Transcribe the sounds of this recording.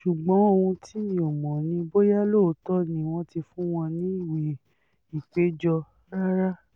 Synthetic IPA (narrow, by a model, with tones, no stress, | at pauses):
ʃu˨ɡ͡bɔ̃˨˦o˧hũ˧tʰi˦ĩ˨ɔ˨mɔ̃˨nĩ˧˦bo˦ja˦lo˦˨˦tɔ˦nĩ˨w̃ɔ̃˦ti˧fũ˦w̃ɔ̃˧nĩ˦i˦˨wi˨ | i˨k͡pe˨˦d͡ʒɔ˧ | ɾa˦ɾa˦